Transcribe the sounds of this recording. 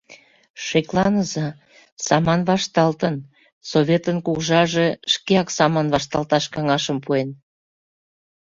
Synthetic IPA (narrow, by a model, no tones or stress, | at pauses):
ʃeklɑnəzɑ | sɑmɑnβɑʃt̪ɑlt̪ən | soβʲet̪ənkuɣʒɑʒeʃkeɑksɑmɑnβɑʃt̪ɑlt̪ɑʃkɑŋɑʃəmpuen